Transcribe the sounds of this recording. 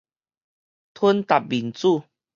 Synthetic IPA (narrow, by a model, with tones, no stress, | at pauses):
t̪ʰu˦nt̪a˨p̚bi˨˩nt͡su˥˧˨